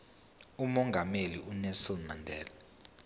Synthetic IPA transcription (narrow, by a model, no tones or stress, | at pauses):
umɔŋɡʱameliʔunɛlsɔnmandʱɛːla